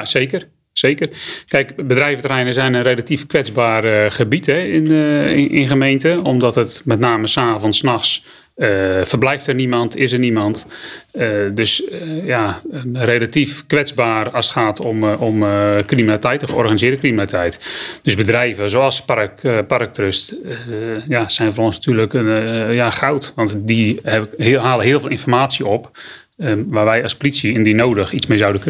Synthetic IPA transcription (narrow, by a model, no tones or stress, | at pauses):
seːkər | seːkərkɛjkbədrɛjvətərɛjnəzɛjnənrelatifkʋɛd͡zbaːrχəbitɦɛɪnɪ̰nχəmejntəɔmdɔtətmɛtnaːməsaːvɔnsːnɑxs | əfərblɛjftərnimɑntɪs̬ərnimɑnt | døsjareːlatifkʋɛd͡zbaːrɑsə̥xaːtʰɔmɔmkriminalitɛjtəxəɔ̰rχanizɪːɾəkriminalitɛjtd̥øzbədrɛjvəzoɑlˠsparkpark̚trøst | jasɛjnvərɔnsnatʰyːrləkjaxawtʋɑntdi | ɦaːləɦɪəlˠvɪːlˠɪnfɔrmaːsiəɔp | ʋaːrʋɛjɑspolisiɛndinowdəxit͡smejzawdənkøn